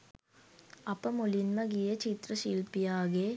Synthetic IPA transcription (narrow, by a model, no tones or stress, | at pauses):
ɐpːɐmulinmɐɣijɐt͡ʃit̪ɾɐʃilpijaːɣe